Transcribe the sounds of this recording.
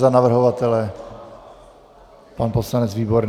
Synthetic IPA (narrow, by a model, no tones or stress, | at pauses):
zanavr̩ɦovat̪ɛlɛ | panposlanɛt͡sviːbo̞ɾn